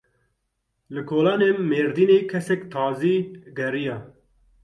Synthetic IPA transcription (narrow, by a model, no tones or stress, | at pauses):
lɨkʰoːlɑːneːmːeːɾd̪iːneːkʰɛsɛkt̪ʰɑːziːɡɛrijɑː